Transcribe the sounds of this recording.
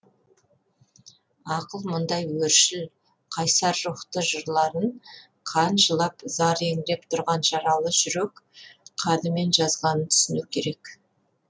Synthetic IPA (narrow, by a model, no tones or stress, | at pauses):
ɑqəlˠmʊnd̪ɑjwɵɾʃɪl | qʰɑjsɑɾʒʊχt̪əʒəɾlˠɑɾəɴ | qʰɑnʒəlˠɑpzɑɾeŋɪd̪e̞pt̪ʰʊɾʁɑnʒɑɾɑlˠəʒʏɾe̞kqʰɑd̪əme̞nʒɑzʁɑnənt̪ʰʏ̥sɪnukʲʰe̞ɾe̞k